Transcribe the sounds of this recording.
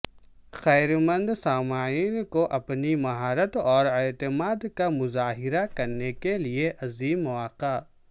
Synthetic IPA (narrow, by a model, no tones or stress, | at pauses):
xɛːɾmə̃nd̪saːmaːiːnkoʔɐpnimɐɦaːɾət̪ɔːɾeːt̪ɪmaːd̪kamʊzaːɦɪɾakɐɾnekelieʔɐziːmːʊwaːqa